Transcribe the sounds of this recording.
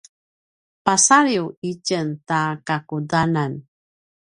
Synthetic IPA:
pasaɾiwicəntakakudanan

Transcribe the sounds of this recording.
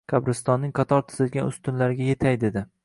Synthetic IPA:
kʲʰɑbɾɪst̪ɒnːɪŋqʰɑt̪ʰɒɾt̪ʰɪ̥zɪlɡʲanʊst̪ʰʊnlaɾɪɡʲaje̞t̪ʰajd̪e̞d̪ɪ

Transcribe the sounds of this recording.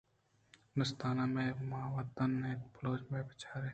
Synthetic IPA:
nʊst̪aːnamẽmaʋət̪ənːẽploːd͡ʒmẽbɪt͡ʃʰaːɾe

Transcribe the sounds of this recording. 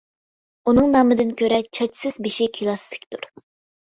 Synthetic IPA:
unɨŋnɑːmɨd̪ɪnkʲøɾɛt͡ʃʰɑt͡ʃʰsɪzbeʃɪkʲʰilˠɑst̪ʰɪ̥kʲt̪uɾ

